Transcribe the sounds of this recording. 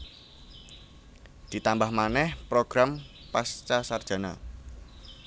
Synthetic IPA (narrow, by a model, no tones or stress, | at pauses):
d̪̥i̤t̪ambahmanɛhpɾoɡ̥ɾam | past͡ʃasard̥ʒ̥ä̤na̰